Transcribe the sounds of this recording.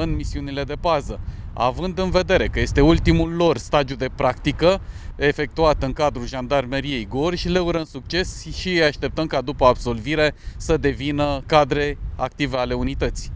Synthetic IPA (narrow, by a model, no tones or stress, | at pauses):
ɨnmisiunile̞d̪e̞pazəa̰vɨnd̪ɨnve̞d̪e̞ɾe̞kəje̞st̪e̞ult̪imulːo̞rst̪ad̪ijud̪e̞pɾakt̪ikəe̞fe̞k̚t̪uat̪ɨŋkad̪ɾulʒand̪armeɾie̞jɡo̞rʲʃile̞uɾənsuk̚t͡ʃe̞sʃiaʃt̪e̞p̚t̪əmkad̪upəabso̞lviɾe̞səd̪e̞vinəkad̪ɾe̞a̰k̚t̪ive̞ale̞unit̪ət̪si̥